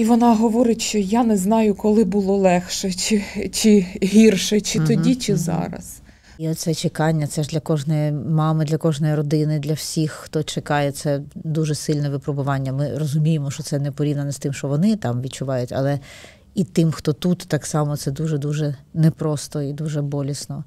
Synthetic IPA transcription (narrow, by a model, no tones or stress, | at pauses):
iʋɔnɑɦɔʋɔɾɪtʲʃt͡ʃɔjanɛznɑjʊkɔlˠɪbʊlˠɔlˠɛxʃɛt͡ʃɪt͡ʃɪɦʲirʃɛt͡ʃɪt̪ɔdʲit͡ʃɪzɑ̰ɾɐ̰s | iɔsɛt͡ʃekɑnʲːɐt̪sɛʒd̪lʲɐkɔʒnɔjimɑmɪd̪lʲɐkɔʒnɔjiɾɔd̪ɪnɪd̪lʲɐwsʲixːt̪ɔt͡ʃekɑjɛt̪sɛd̪uʒɛsɪlʲnɛʋɪpɾɔbʊʋɑnʲːɐmɪrɔzʊmʲijemɔʃt͡ʃɔsɛnɛpɔɾʲiʋnɐnɛst̪ɪmʃɔʋɔnɪt̪ɑmʋʲid̪t͡ʃʊʋɑjʊtʲɐ̰lˠɛ | it̪ɪmxt̪ɔt̪ut̪ːɑksɑmɔt̪sɛd̪uʒɛd̪uʒɛnɛpɾɔst̪ɔid̪uʒɛbɔlʲisnɔ